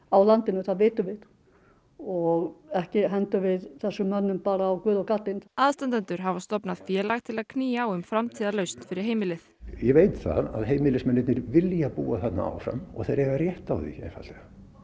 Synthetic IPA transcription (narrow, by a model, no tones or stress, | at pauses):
awlant̪ɪnʏθaðvɪːt̪ʏvɪð | ɔɣɛhcɪɦɛnt̪ʏvɪðθɛsːʏmːœnːʏmpaːɾaːwkvʏːðɔkat̪lɪnaðst̪ant̪ant̪ʏɾ̥ɦavast̪ɔpnaðfjɛːlaɣt̪ʰɪlaðkʰniːaɔɣʏmfɾamt̪ʰiːðalœɥst̪n̥fɪɾɪɾ̥ɦeːjmɪlɪθjɛveːjt̪θa̰ða̰ðɦeːjmɪlɪsmɛnːɪt̪nɪɾvɪljapuːaθɛt̪na̰a̰wfɾa̰mɔ̰θeɾɛvarjɛht̪awðḭḛnfa̰t̪lɛɣa